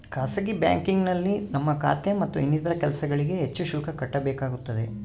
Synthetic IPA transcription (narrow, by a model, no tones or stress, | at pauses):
kaːsɐɡibja̰ːŋkiŋɡnɐlːinɐmːɐka̰ːt̪jɐmɐt̪ːuinːit̪ɐɾɐkɛlɐsɐɡɐɭiɡe̞ɦet͡ʃːuʃuːkʰɐkɐʈːɐbɛːkaːɡut̪ːɐd̪e̞